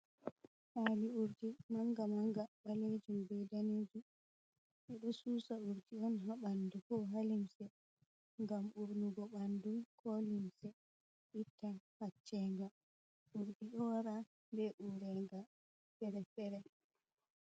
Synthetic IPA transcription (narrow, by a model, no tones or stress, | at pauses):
ʔaliuɾdimaŋɡamaŋɡaɓaled͡ʒumbɛjdaneːd͡ʒu | ɓɛɗɔsuːsauɾdiɔnɦaɓandukɔɦalimsɛ | ŋɡamuɾnuɡɔɓandumkʰɔlimsɛ | ɓitʰːahat͡ʃːɛŋɡa | ʔuɾdiɗɔwaɾa | bɛʔuɾɛŋɡa | fɛɾɛfɛɾɛ